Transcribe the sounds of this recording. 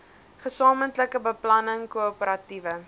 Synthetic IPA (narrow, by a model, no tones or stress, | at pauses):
χəsɑːməntləkəbəplɐnəŋkuopəɾɐtivə